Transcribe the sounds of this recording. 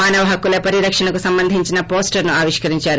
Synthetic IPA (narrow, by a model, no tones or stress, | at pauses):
maːnɐʋɐɦɐkːulɐpɐɾiɾɐkʂɐɳɐkusɐmbɐnd̪ʱiɲt͡ʃinɐpoːsʈɐɾnuaːʋiʂkɐɾiɲt͡ʃaːɾu